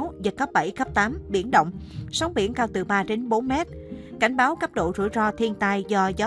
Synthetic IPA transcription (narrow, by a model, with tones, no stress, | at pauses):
wzə˨˩t̚xə˦˥p̚ɓə˧˩jxə˦˥p̚t̪aː˨˦mɓḭ˧˩ənɗə̰˧˨wŋ͡msa˨˦wŋ͡mɓḭ˧˩ənkaː˧wt̪ɨ˨˩ɓaː˧t͡ɕe˨˦nɓo˨˦nmɛ˦˥t̚ | ka˧˩jŋ̟ɓaː˨˦wka˦˥p̚ɗo̰˧˨zṵ˧˩jzɔ˧t̪ʰi˧ənt̪a˧jzɔ˧zaː˨˦